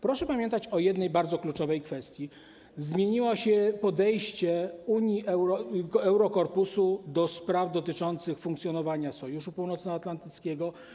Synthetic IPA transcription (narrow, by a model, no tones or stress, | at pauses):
pɾɔʂɛpamʲjɛnt̪at͡ɕɔjɛd̪nɛjbaɾd̪zɔklut͡ʂɔvɛjkfɛst̪ʲji | zmʲjeɲiwɔɕɛpɔd̪ɛjɕt͡ɕɛuɲjiʔɛɾɔɛwɾɔkɔɾpusud̪ɔspɾavd̪ɔt̪ɘt͡ʂɔnt̪sɘxfuŋkt̪sʲjɔnɔvaɲasɔjuʂupuwnɔt̪snɔat̪lant̪ɘt̪skʲɛɡɔ